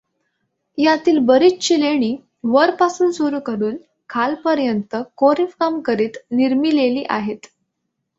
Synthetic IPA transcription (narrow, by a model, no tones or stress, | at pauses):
jat̪iːlbəɾiːt͡st͡ɕileɽ̃iː | ʋəɾpasuːnsuɾuːkəɾuːn | kʰalpəɾjənt̪əkoɾifkamkəɾiːt̪niɾmiːleliːʔa̰ɦet̪